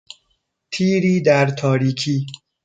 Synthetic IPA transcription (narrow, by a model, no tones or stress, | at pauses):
t̪ʰiːɾiːd̪æɾt̪ʰɒːɾiːkʰiː